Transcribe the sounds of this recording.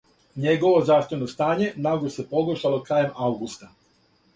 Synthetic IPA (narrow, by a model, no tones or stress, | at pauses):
ɲe̞ɡo̞ʋo̞zaːʃt̪ʋe̞nost̪aːɲe̞naɡose̞po̞ɡoʃalˠo̞kɾaːjemawɡust̪a